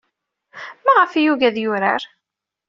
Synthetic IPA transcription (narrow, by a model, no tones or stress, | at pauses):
mæʁəfijuʝæðjʊɾa̰ɾ